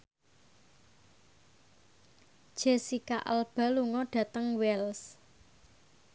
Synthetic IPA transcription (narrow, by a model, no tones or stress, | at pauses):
d̥ʒ̥esikaʔa̰lb̥a̤luŋɔɖ̥ä̤t̪əŋwɛls